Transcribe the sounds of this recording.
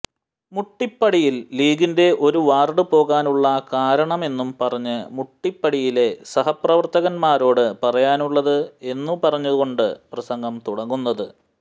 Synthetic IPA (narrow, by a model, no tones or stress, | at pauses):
muʈːipːɐɽijilːliːɡinde̞ʔo̞ɾuʋaːrɖɨpo̞ːɣaːnuɭːɐkaːɾɐɳɐme̞nːumpɐrɐɲːɨmuʈːipːɐɽijile̞sɐɦɐprɐʋɐrt̪ɐɣɐnmaːɾo̞ːɽɨpɐrɐjaːnuɭːɐðɨe̞nːupɐrɐɲːɐðuɣo̞ɳɖɨ̰prɐsɐŋɡɐmt̪uɽɐŋːunːɐðɨ